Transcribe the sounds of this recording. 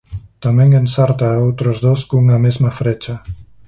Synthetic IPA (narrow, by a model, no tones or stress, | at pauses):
t̪ameŋɡensaɾt̪aowt̪ɾozðoskuŋamezmafɾet͡ʃa